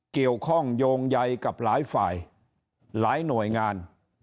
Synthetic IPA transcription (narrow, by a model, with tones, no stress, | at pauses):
ki˨˩əwkʰɔ˥˩ŋjoː˧ŋja˧jka˨˩p̚laː˩˦˥jfa̰ː˨˩j | laː˨˦˥jnu˨˩əjŋaː˧n